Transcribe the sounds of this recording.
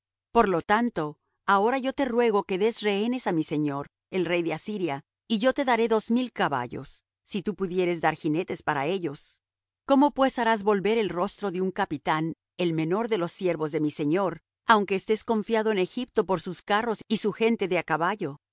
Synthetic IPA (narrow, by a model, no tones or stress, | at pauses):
po̞ɾlot̪ant̪o̞ | ao̞ɾaʝot̪e̞rwe̞ɣ̞o̞ke̞ðe̞zre̞ene̞samise̞ɲo̞ɾ | e̞lre̞jðeasiɾja | iʝo̞t̪e̞ðaɾe̞ðozmilkaβa̰ʝo̞̰sː | it̪upuðje̞ɾe̞zd̪aɾxine̞t̪e̞spaɾae̞ʝo̞s | ko̞mo̞pwe̞saɾazβo̞lβe̞ɾe̞lro̞st̪ɾo̞ðeuŋkapit̪an | e̞lme̞no̞ɾðe̞lo̞sːje̞ɾβo̞zðe̞mise̞ɲo̞ɾ | awŋke̞ːst̪e̞sko̞ɱfjaðo̞ene̞xip̚t̪opo̞ɾsuskaro̞sisuxe̞nt̪e̞ðeakaβaʝo̞